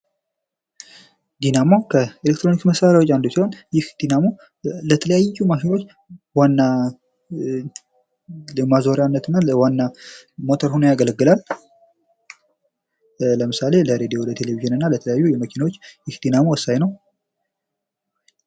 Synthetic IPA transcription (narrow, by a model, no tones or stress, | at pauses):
d̪inamokʰəelek̚t̪ɾo̞nikməsaɾawot͡ʃːand̪usiho̞njɪhd̪̥inamo̞ | lət̪ʰələjajjːumakelo̞t͡ʃː | wanːa | lɨmazo̞ɾjanːət̪ɨnːawanːamo̞t̪ʰəɾhunojaɡələɡːɨlal | ləmɨsale̞ləɾed̪ijo̞lət̪ʰe̞le̞viʒɨnɨnːalət̪ʰələjajːujɛməkʰinawot͡ʃːjɪhd̪inamowəsːajnəw